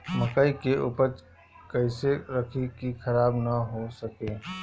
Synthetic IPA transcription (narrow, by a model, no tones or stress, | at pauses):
məkaːikeʔṵːpəɾ | kəɪseɾɐkʰekixɐɾaːbnaɦosəkeː